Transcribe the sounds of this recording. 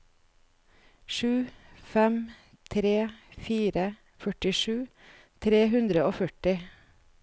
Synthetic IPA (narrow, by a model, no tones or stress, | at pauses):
ʃʉːfɛm | t̪ʰɾeːfiːɾə | fœʈɪʃʉː | t̪ʰɾeːɦʉnd̪ɾəoːfœʈɪ